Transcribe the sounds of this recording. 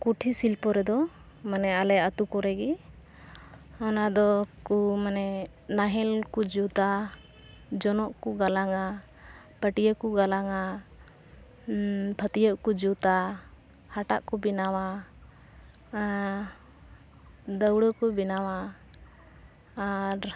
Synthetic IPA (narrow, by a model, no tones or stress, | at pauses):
kuʈʰisilpɔɾɛd̪ɔ | manɛalɛat̪ukɔɾɛɡi | ɔnad̪ɔkumanɛ | naɦɛlkud͡ʒut̪a | d͡ʒɔnɔʔkuɡalaŋa | pəʈijəkuɡalaŋa | pʰət̪ijəʔkud͡ʒut̪a | haʈaʔkɔbinawa | d̪əwɽəkɔbinawa | ɾ